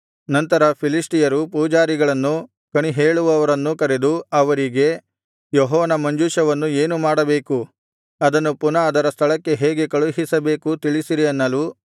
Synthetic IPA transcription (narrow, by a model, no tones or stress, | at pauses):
nɐnt̪ɐɾɐpʰilisʈijɐɾupuːd͡ʒaːɾiɡɐɭɐnːu | kɐɳiɦeːɭuʋɐʋɐɾɐnːukɐɾe̞d̪uɐʋɐɾiɡe̞ | jɔɦɔːʋɐnɐmɐɲd͡ʒuːʃɐʋɐnːue̞ːnumaːɽɐbe̞ːku | ɐd̪ɐnːupunɐːd̪ɐɾɐst̪ʰɐɭɐkːe̞ɦeːɡe̞kɐɭuɦisɐbe̞ːkut̪iɭisiɾiɐnːɐlu